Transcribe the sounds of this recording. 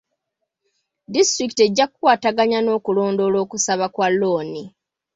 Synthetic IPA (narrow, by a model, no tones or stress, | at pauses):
distɾiki̥te̞ɟːakukwaːtaɡaɲano̞ːkulo̞ːndo̞ːlo̞ːkusaβakwalːoːni